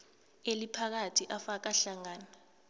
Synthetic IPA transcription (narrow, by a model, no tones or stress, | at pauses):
elipʰak̬atʰiʔafak̬aɬaŋaːna